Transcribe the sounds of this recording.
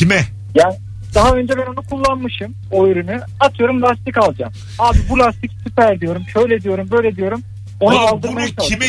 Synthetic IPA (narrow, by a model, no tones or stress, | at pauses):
cimɛ | jaːni | d̪aɦaø̞nd͡ʒɛbæno̞nukʰulˠːanmɯʃɯm | ojɾunu | at̪ʰɯjo̞ɾumlʲˠast̪ʰikalˠd͡ʒam | aːbibulʲast̪ʰicsypæɾd̪ijo̞ɾumcʰø̞jlʲe̞d̪ijo̞ɾumbø̞jlʲe̞d̪ijo̞ɾum | o̞nualˠd̪ɯɾmajat͡ʃʰalˠ